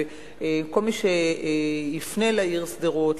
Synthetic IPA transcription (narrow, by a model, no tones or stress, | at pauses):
eko̞lmiʃe | ifnelaiʁsdeʁot